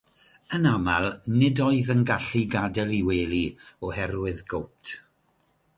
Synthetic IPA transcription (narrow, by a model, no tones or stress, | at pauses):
ənamalˠnɪdɔɨðənɡaɬiɡadɛlˠiweːlˠiɔhɛrwɨðɡowp̚tʰ